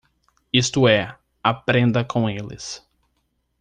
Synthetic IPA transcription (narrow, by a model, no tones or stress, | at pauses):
ist̪ʊɛ | apɾẽnd̪ɐkõw̃elɪ̰s